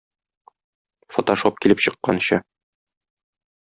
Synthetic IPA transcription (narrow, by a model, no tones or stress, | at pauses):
fot̪oʃop̚kilɘpɕɤ̆qːɑ̰nɕɤ